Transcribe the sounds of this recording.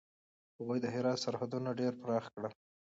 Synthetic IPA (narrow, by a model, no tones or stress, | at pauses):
haɣujd̪əɦɪɾɑt̪saɾhad̪unaɖeɾpɾɑxkɽa